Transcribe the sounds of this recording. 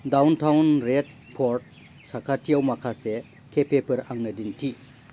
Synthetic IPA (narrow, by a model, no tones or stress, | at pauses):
dawntʰawnɾet̚ | pʰoɾt̚ | sakʰatʰijawmakʰase | kʰepʰepʰɯɾaŋnɯdintʰi